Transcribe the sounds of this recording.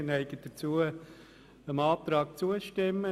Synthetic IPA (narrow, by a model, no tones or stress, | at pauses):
nɛɪɡ̥əd̥ət͡suə | əmɑːt̪ɾɑːk̚t͡suəʃtɪmə